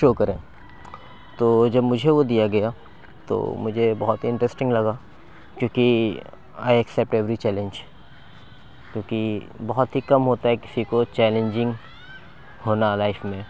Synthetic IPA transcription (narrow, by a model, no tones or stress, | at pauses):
ʃoːkɐɾẽː | t̪oːd͡ʒɐbmʊd͡ʒʱeʋod̪ijaɡɐja | t̪o̰ːmʊd͡ʒʱebɐɦɔt̪ɦiɪ̃ɳʈɾɛsʈɪ̃ŋɡlɐɡa | kjõːki | a̰ːiɐksɛp̚ʈɛʋɾit͡ʃɛːlẽɲd͡ʒ | kjõːki | bɐɦɔt̪ɦikɐmɦoːt̪aɦɛkɪ̥sikot͡ʃɛːlẽɲd͡ʒɪ̃ŋɡ | hoːnalaːɪfmẽ